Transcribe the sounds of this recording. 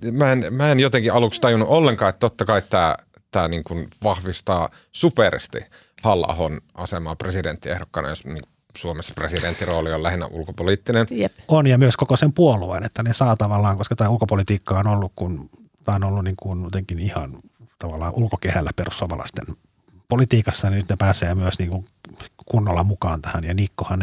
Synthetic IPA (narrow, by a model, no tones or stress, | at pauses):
mæenmæenjot̪eŋkiɑlukst̪ɑjunːuʔolːeŋkɑːet̪ːt̪ot̪ːɑkɑit̪ːæː | t̪æːniːŋkunʋɑhʋist̪ɑː | superst̪ḭ | hɑlːɑ̰honʔɑsemɑːpresident̪ːiḛhɾokːɑnɑ̰josmiŋk | suomesːɑ̥president̪ːiroːliolæhinːæ̰ʔṵlkopoliːt̪ːinenjonjɑmyøskokosempuolˑuḛnet̪ːænesɑːt̪ɑʋɑlːɑːŋkoskɑt̪æːulkopolit̪iːkːɑonolːukkun | t̪æːonolːunniːŋkunot̪eŋkinihɑn | t̪ɑʋɑlːɑ̰ːʔulkokehælːæperussuomɑlɑ̰ist̪ḛn | polit̪iːkɑsːɑninyt̪nepæːseːmyøsniːŋkuŋkunːolːɑmukɑːnt̪æhænjɑnikːohɑn